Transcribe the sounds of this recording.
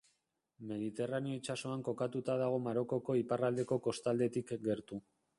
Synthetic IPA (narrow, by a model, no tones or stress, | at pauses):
me̞ðit̪e̞raneo̞it͡ʃaso̞aŋko̞kat̪ut̪aðaɣ̞o̞maɾo̞ko̞ko̞iparald̪e̞ko̞ko̞st̪ald̪e̞t̪ikɡe̞ɾt̪u